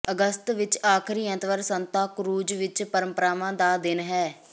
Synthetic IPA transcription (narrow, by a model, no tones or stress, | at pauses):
əɡəst̪ʋɪt͡ʃaːkʰɾiːɛ̃ːt̪ʋəɾsənt̪aːkʊɾuːd͡ʒʋɪt͡ʃpəɾə̃mpəɾaːʋãːd̪aːd̪ɪnɦɛː